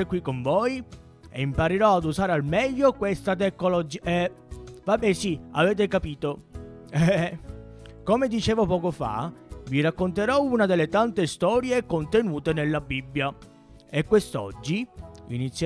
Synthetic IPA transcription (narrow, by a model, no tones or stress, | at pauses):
ekwikːoɱvoj | ḛimpaɾeɾɔad̪uzaːɾealmɛʎːokwest̪at̪̬ekːolod͡ʒiɛ | vabːɛsia̰vɛːt̪̬ekapiːt̪o | ɛ | komed̪it͡ʃeːvopɔːkofa̰virakːont̪eɾɔunad̪elːet̪ant̪est̪ɔːɾjekont̪enuːt̪enelːabibːja | ekwest̪ɔ̰d͡ʒːiḭnit̪sːj